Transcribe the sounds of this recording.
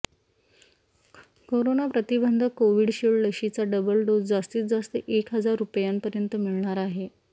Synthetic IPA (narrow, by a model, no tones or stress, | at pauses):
koɾonapɾət̪ibənd̪ʱəkoʋiːɽɕiɭləɕit͡saɖəbəlɖod͡zd͡zast̪iːt̪̚d͡zast̪əʔekɦəd͡zaɾːupjampəɾjənt̪əmiɭɳaɾaɦe